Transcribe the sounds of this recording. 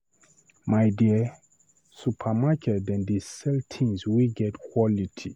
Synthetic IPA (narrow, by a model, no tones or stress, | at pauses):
majdiə | supʰamakʰɛtɛ̃ndisɛltʰĩŋswiɡɛtkʰwɔlitʰi